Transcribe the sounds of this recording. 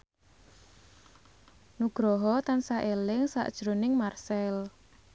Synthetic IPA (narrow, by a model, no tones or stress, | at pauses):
nuɡ̥ɾɔɦɔt̪ansaʔelɪŋsa̰ʔd̥ʒ̥ɾonɪŋmarsɛl